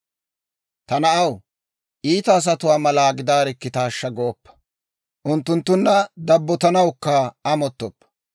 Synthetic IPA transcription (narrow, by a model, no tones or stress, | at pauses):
t̪ɐnɐʔɐw | ʔiːt̪ɐːs̬ɐt̪ʊwaːmɐlaːɡɪd̪aːɾɪkːɪt̪aːʃːɐɡoːpːɐ̥ | ʔʊnt̪ːʊnt̪ːʊnːɐd̪ɐbːɔt̪ɐnɐwkːɐɐmɔt̪ːɔpːɐ̥